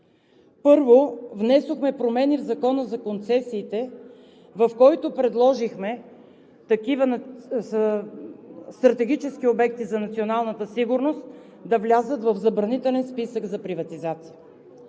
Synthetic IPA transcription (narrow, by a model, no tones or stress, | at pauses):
pɤɾvovnɛsoxmɛpɾomɛnivzɐkɔnəzɐkont̪sɛsiːt̪ɛ | vɐfkɔjt̪opɾɛd̪lˠɔʒixmɛ | t̪ɐkivən | st̪ɾɐt̪ɛɡʲit͡ʃɛskiobɛk̚t̪izɐnɐt̪sionalˠnət̪əsiɡʊɾnost̪ | d̪ɐvlʲazət̪vɐvzɐbɾɐnit̪ɛlɛnspisəɡzɐpɾivɐt̪izat̪si̥ə